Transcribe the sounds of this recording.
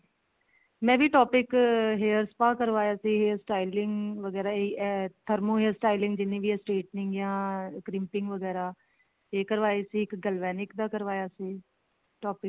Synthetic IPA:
mɛ̃ːʋiːʈɔːpɪkɦeːəɾspaːkəɾʋaːjaːsiːɦeːsʈaːilɪŋɡʋəɡɛːɾaːt̪ʰəɾmõːɦeːəɾsʈaːilɪ̃ŋɡd͡ʒɪnːeːʋiːɛsʈeːʈnɪŋɡjãːkɾɪmpɪŋɡʋəɡɛːɾaː | eːkəɾʋaːeːsiːɪkɡəlʋɛːnɪkd̪aːkəɾʋaːjaːsiː | ʈɔːpɪk

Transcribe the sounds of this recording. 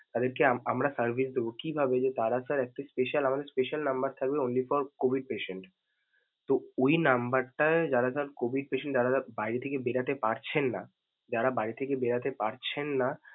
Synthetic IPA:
t̪ad̪eɾkeaamɾasəɾbʱisd̪ebokibʱabed͡ʑet̪aɾasaɾɛk̚ʈaspeʃalamad̪eɾspeʃalnambəɾt̪ʰaɡ̚beonlifɔɾkobʱiɖ̚peʃeɳʈ | t̪oojnambəɾʈaed͡ʑaɾasaɾkobʱiɖ̚peʃẽɳʈd͡ʑaɾabajɾet̪ʰekebeɾat̪epaɾt͡ɕʰenːa | d͡ʑaɾabaɾit̪ʰekebeɾat̪epaɾt͡ɕʰenːa

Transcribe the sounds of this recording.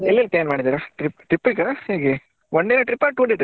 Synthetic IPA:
ɛlːilplaːnmaːɽid̪iːɾɐʈɾipʈɾipːikɐheːɡe | oɳɖ̪eneʈɾipːaʈuːɖeːʈɾ

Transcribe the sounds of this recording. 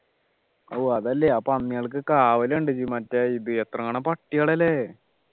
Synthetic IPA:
oːɐðɐlːeɐpɐnːijɐɭk̬ɨkaːʋɐleɳɖɨt͡ɕimɐtːɐiðɨet̪rɐŋːaːɳɐmpɐʈːijɐɭɐle

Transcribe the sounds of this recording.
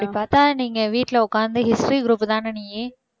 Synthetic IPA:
pɽipaːɾt̪aːniːŋɡɐʋiːʈːlɐʊkːaːnd̪ɯɦɪsʈɾiɡɾuːpːt̪ãːnɐniːe

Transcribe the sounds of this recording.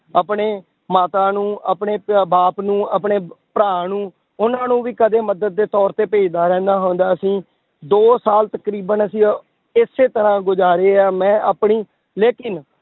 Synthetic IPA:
əpɳeː | maːt̪aːnũːəpɳeːbaːpnũːəpɳeːpɾaːnũː | ʊnãːnũːʋiːkəd̪eːməd̪əd̪̚ːeːt̪ɔːɾt̪eːpeːd͡ʒd̪aːɾɛ̃ːnd̪aːɦõːnd̪aːəsĩː | d̪oːsaːlt̪əkɾiːbənəsĩː | ɪsːeːt̪əɾãːɡʊd͡ʒaːɾeːaːmɛ̃ːaːpɳiː | leːkɪn

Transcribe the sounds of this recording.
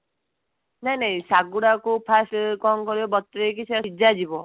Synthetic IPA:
najnajsaɡuɽakupʰasʈkɔŋkɔɾibɔbɔt̪ːɾek̬isʰɛaid͡ʒad͡ʒibɔ

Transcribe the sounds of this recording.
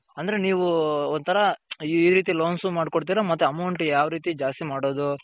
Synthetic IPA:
ɐnd̪ɐɾe̞niːʋuont̪ʰɐɾɐiːɾiːt̪̬iloːnsumaːɽkoɽt̪̬iːɾɐmɐt̪ːuɐmɐwɳʈjaːʋɾiːt̪id͡ʒaːst̪imaːɽoːd̪u

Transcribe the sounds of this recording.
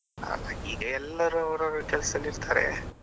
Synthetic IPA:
a̰lːaiːɡɐɛlːɐɾuɐwɾaɾukɛlɐsɐliɾt̪ʰaːɾḛ

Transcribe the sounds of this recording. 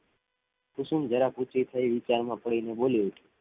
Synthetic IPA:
kʊsumd͡ʒəɾaput͡ʃit̪ʰaiʋɪt͡ʃaɾmãpəɽineɓoliut͡ʃʰu

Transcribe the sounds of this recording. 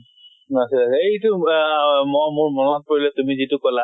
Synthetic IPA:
asilaetʊ | mɔjmʊɹmɔnɔat̚poɹilɛtumizitʊkɔla

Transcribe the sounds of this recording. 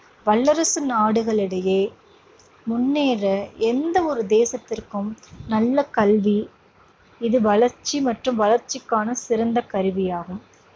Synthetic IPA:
ʋɐɭːɐɾɐsɯnaːɽɯɣɐɭɪɽɐjeː | mʊnːeːɾɐɛnd̪ɐɔɾɯd̪eːsɐt̪ːɪrkɯmnɐlːɐkɐlʋi | ɪðɯʋɐɭɐɾt͡ʃːimɐʈrɯmʋɐlɐɾt͡ʃɪkːaːnɐsɪɾɐnd̪ɐkɐɾɯʋɪjaːɣɯm

